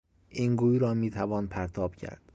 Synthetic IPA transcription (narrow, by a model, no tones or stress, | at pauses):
ʔiːŋɡuːjɾɒːmiːt̪ʰævɒːnpʰæɾt̪ʰɒːb̥cʰæ̰ɾd̪̥